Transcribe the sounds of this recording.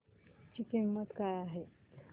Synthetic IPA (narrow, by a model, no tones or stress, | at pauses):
t͡ɕiːkimːət̪kajaɦe